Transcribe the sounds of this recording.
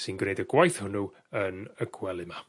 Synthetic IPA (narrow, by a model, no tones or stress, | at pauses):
sɨnɡrejdəɡwajθhʊnu | ənəɡ̥wɛlˠɨma